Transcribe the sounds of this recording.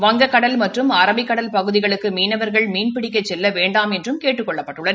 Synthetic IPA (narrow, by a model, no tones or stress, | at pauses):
ʋɐŋɡɐkːɐɽɐlmɐʈrɯmɐɾɐmɪkːɐɽɐlpɐɣɯðɪɣɐɭɯkːɯmiːnɐʋɐɾɣɐɭmiːnpɪɽɪkːɐt͡ʃːɛlːɐʋeːɳɖaːmɛndrɯmkeːʈːɯkːɔɭːɐpːɐʈːɯɭːɐð